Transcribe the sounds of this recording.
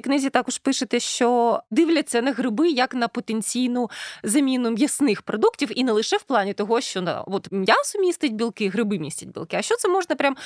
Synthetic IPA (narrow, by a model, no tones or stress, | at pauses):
knɪzʲit̪ɑkɔʃpɪʃɪt̪ɛʃt͡ʃɔd̪ɪʋlʲɐt͡sʲːɐnɐɦɾɪbɪjɐknɐpɔt̪enʲt͡sʲijnʊzɐmʲinʊmʲjɐsnɪxpɾɔd̪uktʲiwinɛlˠɪʃɛwplˠɑnʲit̪ɔɦɔʃt͡ʃɔnɐ̰ɔt̪mʲjasʊmʲist̪ɪt̚ʲbʲilˠkɪɦɾɪbɪmʲisʲtʲɐt̚ʲbʲḭlˠkɪɐʃt͡ʃɔt̪sɛmɔʒnɐpɾʲam